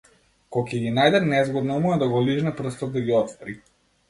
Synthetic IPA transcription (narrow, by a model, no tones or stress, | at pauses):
kɔkʲɛɡinajd̪ɛt̪nɛzɡɔd̪nɔumɔɛd̪aɡɔliʒnɛpr̩st̪ɔd̪̚d̪aɡiɔt̪vɔɾi